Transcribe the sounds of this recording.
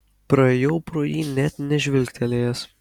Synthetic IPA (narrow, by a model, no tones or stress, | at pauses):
pɾɐejɛʊpɾoːjiːnʲɛt̪nʲɛʒʲʋʲɪlʲkʲt̪ʲɛlʲeːjɛs